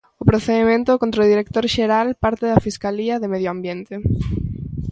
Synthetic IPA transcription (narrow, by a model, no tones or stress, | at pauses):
ʊpɾoθeðemẽnt̪okõnt̪ɾoðiɾek̚t̪oɾʃeɾalpaɾt̪ɪðɐfiskaliɐðemeðjoambjent̪e